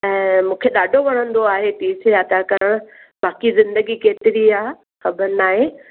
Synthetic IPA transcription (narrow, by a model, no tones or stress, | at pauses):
ɛ̃ːmũːkʰeɗaːɖʱoʋɐɽ̤̃ə̃nd̪oaːɦet̪iːsaːt̪akɐɾəɽ̃ʊ | baːkizɪ̃nd̪əɡikeːt̪ɪɾiaː | xɐbəɾnaːɦe